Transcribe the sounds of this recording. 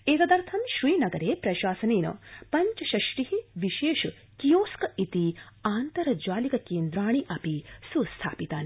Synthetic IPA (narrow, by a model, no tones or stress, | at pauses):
eːkɐd̪ɐɾt̪ʰɐmʃɾiːnɐɡɐɾeːpɾɐʃaːsɐneːnɐ̰pɐɲt͡ʃɐʃɐʃʈiɦiʋiʃeːʃ | kijoːskɐit̪i | aːnt̪ɐɾɐd͡ʒaːlikɐkeːnd̪ɾaːɳ̃iʔɐpisust̪ʰa̰ːpit̪aːni